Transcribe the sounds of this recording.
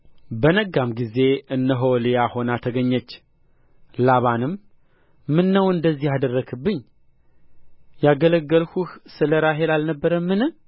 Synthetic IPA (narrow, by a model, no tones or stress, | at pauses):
bənəɡamɡize̞ɨnːəɦowlijaho̞nat̪ʰəɡəɲːət͡ʃː | laβanɨmː | ɨnːəwɨnd̪əzːihad̪ərːəɡʰɨbːɨɲː | jaɡələɡːəlhuhsɨləɾaɦelalnəbːəɾəmːɨnɨ